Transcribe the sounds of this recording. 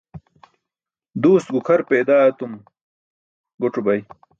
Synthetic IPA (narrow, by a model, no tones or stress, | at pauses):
d̪uːst̪̚ɡukʰɐɾpeːd̪aːɐt̪um | ɡoʈ͡ʂubɐj